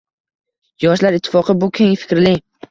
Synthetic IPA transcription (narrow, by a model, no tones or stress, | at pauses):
jɒʃlaɾɪt̪ʰːɪ̥fɒqʰɨbʊkʲʰeŋfɪ̥kʲɾlɪ